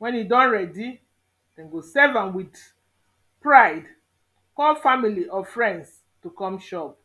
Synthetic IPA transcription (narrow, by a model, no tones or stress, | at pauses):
wɛ̃njidɔ̃nɹɛdi | d̥ɛ̃nɡosɛvãnwid | pɹaɪd | kɔlfamiliʔɔfɹɛ̃nds | tukɔ̃mʃɔp̚